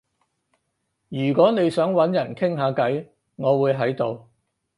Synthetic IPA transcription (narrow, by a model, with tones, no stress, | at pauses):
jyː˨˩kʷɔː˨˥ne˨˧jsœː˨˥ŋwɐ˨˥njɐ˨˩nkʰɪ˥ŋɦaː˨˧kɐ˨˥j | ŋɔː˨˧wuː˨˧jɦɐ˨˥jt̪o˨˧w